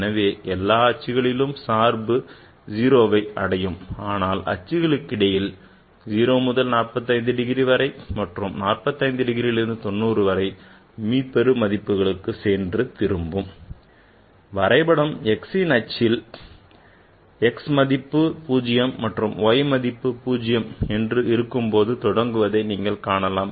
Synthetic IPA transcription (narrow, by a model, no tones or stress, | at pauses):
nɐʋeːʔɛlːaːɐt͡ʃːɪɣɐɭɪlɯmsaːɾbɯ | d͡ʒiːɾoːʋɐɪɐ̰ɽɐjɯmaːnaːlʔɐ̰t͡ʃːɪɣɐɭɯkːɪɽɐjɪl | d͡ʒiːɾoːmʊðɐlnaːrpɐt̪ːɐɪnd̪ɯɖɪɣɪɾiʋɐɾɐɪmɐʈrɯmnaːrpɐt̪ːɐɪnd̪ɯɖɪɣɪɾilɪɾɯnd̪ɯt̪ɔnːuːrɯʋɐɾɐɪ | miːpɛɾɯmɐðɪpːɯɣɐɭɯkːɯseːndrɯt̪ɪɾɯmbɯm | ʋɐɾɐɪbɐɽɐmɛksinɐt͡ʃːɪl | ɛksmɐðɪpːɯpuːd͡ʒɪjɐmːɐʈrɯmoːjɐmɐðɪpːɯpuːd͡ʒɪjɐmɛndrɯɪɾɯkːɯmpoːðɯt̪ɔɽɐŋɡɯʋɐðɐɪniːŋɡɐɭkaːɳɐlaːm